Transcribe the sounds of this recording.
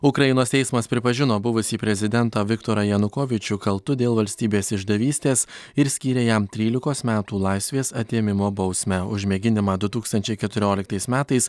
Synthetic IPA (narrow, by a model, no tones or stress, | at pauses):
ʊkɾɐjɪnoːst̪ʲɛɪsmɐspʲɾʲɪpɐʒʲɪnoːbʊʋʊsʲiːpʲɾʲɛzʲɪd̪ʲɛnt̪oːʋʲɪkt̪oːɾɐjɛnʊkoːʋʲɪt͡ʃʲʊkɐlˠt̪ʊd̪ʲeːlˠʋɐlʲsʲt̪ʲiːbʲeːsɪʒd̪ɐʋʲiːsʲt̪ʲeːsɪɾsʲkʲiːɾʲeːjɛmt̪ʲɾʲiːlʲɪkoːsmʲæːt̪uːlˠɑˑɪsʲʋʲeːsɐt̪ʲeːmʲɪmoːbɒʊsʲmʲɛʊʒʲmʲeɡʲɪnʲɪmɑːd̪ʊt̪uːkst̪ɐnʲt͡ʃʲɛɪkʲɛt̪ʊɾʲoːlʲɪkt̪ɐɪsmʲæːt̪ɐɪs